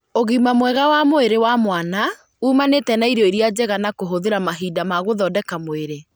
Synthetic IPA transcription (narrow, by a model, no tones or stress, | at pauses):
oɣimamwɛɣawamoeɾewamwana | uːmanetɛnaiɾjɔiɾiad͡ʑɛɣanakoɦoðeɾamaɦidamaɣoðɔdɛkamoeɾe